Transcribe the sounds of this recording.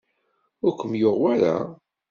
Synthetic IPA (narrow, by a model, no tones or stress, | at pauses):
ʊɾkʷːəmjoʁwaɾa̰